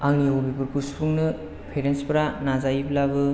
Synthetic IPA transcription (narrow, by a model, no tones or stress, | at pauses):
aŋniobibɯɾpuspʰuŋnɯ | pʰeɾenspɾanazajiblabɯ